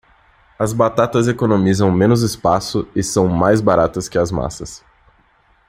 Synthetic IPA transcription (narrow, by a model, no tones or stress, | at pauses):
ɐzbat̪at̪ɐzekonomizɐ̃w̃mẽnʊzɪspasʊɪsɐ̃w̃majzbaɾat̪ɐskɪɐzma̰sɐs